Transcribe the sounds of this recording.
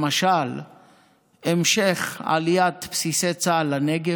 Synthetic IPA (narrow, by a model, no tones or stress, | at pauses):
maʃal | emʃeχa̰lijat̪psiset͡salaneɡe